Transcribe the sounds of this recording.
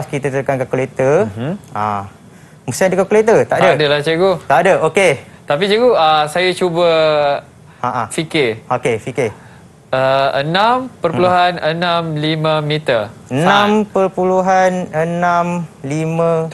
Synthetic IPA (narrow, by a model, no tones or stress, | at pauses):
skit̪ət̪əkankakulet̪ə | a | must̪andəkaklet̪ət̪aʔdədəlaht͡ʃəɡut̪aʔdəʔoket̪apit͡ʃəɡuəsajat͡ʃubə | ãʔafikɪokefikɪ | əənãmpərpuluɦanənãmlimə̃mit̪əənnãmpərpuluɦanənãmlimə̃